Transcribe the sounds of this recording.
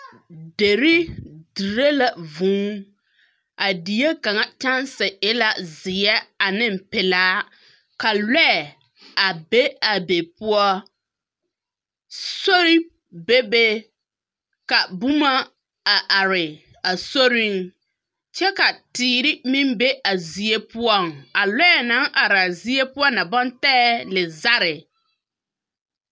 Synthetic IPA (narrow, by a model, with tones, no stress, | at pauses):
de˨ɾɪ˦di˨ɾe˦la˨vũː˦ | a˨di˨je˦ka˨ŋa˦t͡ʃa˦n˦sɛ˨ɪ˦la˦zɪ˨ɛ˦a˨nɪ˦m̩˨pɪ˨laː˦ | ka˨lɛ˦˨ | a˨be˦a˨be˨pʊ˦ɔ˦ | so˦ɾɪ˦ | be˦be˦ | ka˨bu˦ma˦ | a˨ʔa˨ɾɪ˨ | a˨so˦ɾi˦ŋ | t͡ʃɛ˦ka˨tiː˨ɾɪ˦mĩ˦mbe˦ʔa˨zi˨e˦pʊ˦ɔ˦˨ŋa˨lɛ˦˨na˨˦ŋʔa˨ɾa˨zi˦e˦pʊ˦ɔ˦na˨bɔ˦ntɛː˦lɪ˨za˦ɾɪ˨